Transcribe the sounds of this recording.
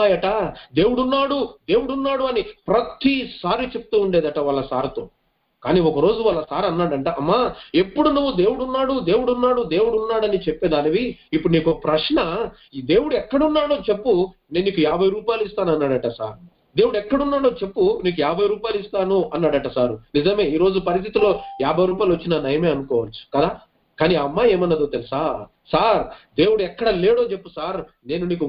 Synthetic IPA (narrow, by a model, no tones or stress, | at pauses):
ajɐʈad̪e̞ːwuɽunːaːɽud̪e̞ːwuɽunːaːɽuɐnipɾɐt̪isaːɾit͡ʃe̞p̚ut̪uːuɳɖeːd̪ɐʈɐʋaːlːɐsaːɾut̪oː | kaːniːɔkɐɾo̞ːd͡ʒuʋɐːlːɐsaːɾɐnːaːɽɐɳʈaɐmːae̞pːuɽunuʋːud̪e̞ːwuɽunːaːɽud̪e̞ːwuɽunːaːɽud̪e̞ːwuɽunːaːɽɐnit͡ʃepːɛːd̪aːlɐʋiipːuɽuniːkopɾɐʂɳɐ | d̪e̞ːwuɽuɛkːɐɽunːaːɽoːt͡ʃe̞pːu | ne̞ːnːiːkujaːbʱɐjɾuːpaːjluist̪aːnuɐnːaːɽɐʈasa̰ːɾ | d̪e̞ːwuɽuɛkːɐɽunːaːɽoːt͡ʃe̞pːuniːk̬ujaːbʱɐjɾuːpaːjluist̪aːnuɐnːaːɽɐʈɐsaːɾunizɐmeːiːɾo̞ːd͡ʒupɐɾis̬t̪ʰit̪ilo̞ːjaːbʱɐjɾuːp̬ajluʋɐt͡ʃːinɐnɐjɐme̞ːɐnukɔːʋɐlɐsu̥kɐd̪aː | kaːniɐmːaeːmɐnːɐd̪oːt̪elisaː | saːɾd̪e̞ːwuɽuɛkːɐɽɐle̞ːɽoːt͡ʃe̞pːusaːɾ | ne̞ːnuniːku